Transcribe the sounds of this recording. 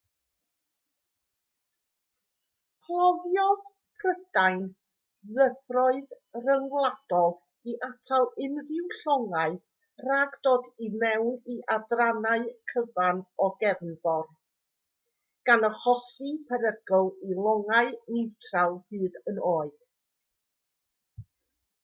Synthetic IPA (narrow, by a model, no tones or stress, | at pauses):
pʰlˠɔvjɔð | pʰrədajn | ðəvrɔɨð | rəŋwlˠad̥ɔlˠ | iʔatʰalˠɪnrɪwɬɔŋaɨ | raɡd̥oːdimɛwniʔadranaɨkʰəvanɔɡɛvnvɔr | ɡ̥anəhɔsɨpʰəɾəɡɔlˠilˠɔŋaɨnɪwtʰrawˠhɨːdənoːɨd̥